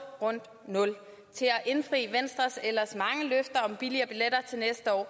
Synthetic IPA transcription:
ʁɔ̽n̰d̥ | nɔ̽l | t͡sʰe̝lɒʔe̝nfʁḭːʋen̰sd̥ʁɐselɐsmɑ̈ŋəløfd̥ɐɒ̽mb̥iliɐb̥ileɾ̥ɐt͡sʰe̝lnesd̥əɒ̰ː

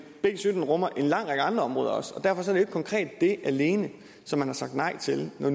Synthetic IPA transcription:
b̥e̝̰ːsyd̥n̩ʁɔm̰ɐʔe̝nlɑ̈ŋ̰ʁaɡ̥əɑ̈nd̥ʁɐɒ̽mʁɔ̽ːðˠɐɒ̽sɒ̽d̥æɐfɒ̽s̬ɒ̽ɐɾe̝ɡ̥̚kʰɒ̽ŋkʰʁɛ̰ːd̥ːe̝ʔæle̝ːnə | sɒ̽mːænhɑ̈sɑ̈ɡ̥̚d̥nɑ̈ɪ̰t͡sʰe̝lnɒn

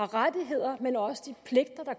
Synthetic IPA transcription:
ɑ̈ʁad̥iɦe̝ð̞̰ˠɐmenɒ̽səd̥ipʰle̝ɡ̥̚d̥ɐd̥ɑ̈kʰ

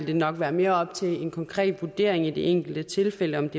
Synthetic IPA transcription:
ld̥e̝nɒ̽ɡ̥ʋæːɐme̝ːɐɒ̽b̥̚t͡sʰe̝lenkʰɒ̽ŋkʰʁɛ̰ːd̥ʋud̥e̝ɐ̰e̝ŋid̥e̝ʔeŋ̰ɡ̥l̩d̥ət͡sʰe̝lfel̰əɒ̽md̥e̝

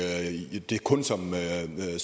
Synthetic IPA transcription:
d̥e̝kʰɔ̽nsɒ̽m | s

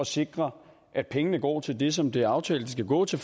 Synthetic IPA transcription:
ɒ̽se̝ɡ̥ʁɐ | ʔæd̥̚pʰeŋənəɡ̥ɒ̰ːt͡sʰe̝ld̥e̝s̬ɒ̽md̥e̝æɑ̈ʊt͡sʰɛ̰ːləd̥isɡ̥æɡ̥ɔ̰ːt͡sʰe̝f

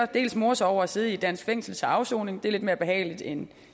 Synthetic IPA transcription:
ɒd̥e̝̰ːlsmo̝ɐsɒʊ̰ɐæse̝ːð̞̩ˠid̥æn̰sɡ̥feŋ̰sl̩t͡sʰe̝ɑ̈ʊso̝̰ːne̝ŋd̥e̝æɐle̝d̥me̝ɐb̥e̝ɦɛ̰ːɪlid̥en

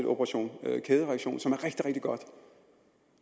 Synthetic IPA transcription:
do̝b̥ʰəʁɑɕo̝̰ːnkʰeːðˠəʁɛɐɡ̥ɕo̝̰ːnsɒ̽mæɐʁeɡ̥d̥iʁeɡ̥d̥iɡ̥ɒ̽d̥

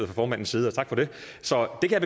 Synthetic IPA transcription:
ð̩ˠfʁɒfɒːmæn̰n̩siːð̞̩ˠɒt͡sʰɑ̈ɡ̥fɒ̽ɾ̥e̝ | sɒ̽d̥e̝kʰæjäb̥e

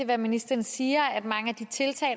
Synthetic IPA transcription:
eʋæminisd̥ɐn̩siːɐæd̥mɑ̈ŋəæd̥it͡sʰe̝lt͡sʰɛ̰ː

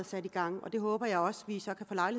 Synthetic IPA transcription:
ð̩ˠsæd̥iɡ̥ɑ̈ŋ̰ɒ̽d̥e̝ɦɔ̽ːb̥ɐjɑ̈ɪɒ̽sʋisɒ̽kʰæfɔ̽ːlɑ̈ɪlie

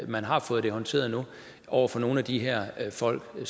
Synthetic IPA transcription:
mænɦɑ̈fɔ̽ːð̩ˠd̥e̝hɒ̽nt͡sʰe̝̰ːɐðˠnu | ʔɒʊ̰ɐfɒ̽no̝ːn̩æd̥iɦeɐ̰fɒ̽l̰ɡ̥s

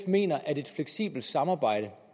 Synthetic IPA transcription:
fme̝̰ːnɐʔæde̝d̥fleɡ̥sḭːb̥l̩d̥sɑ̈mɑ̈ːb̥ɑ̈ɪ̰ɾ̥ə

